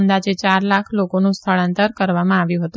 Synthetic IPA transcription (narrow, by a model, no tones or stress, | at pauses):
nd̪ad͡ʒet͡ʃaɾlakʰlokonũst̪ʰəɭənt̪əɾkəɾʋamãaʋjũɦət̪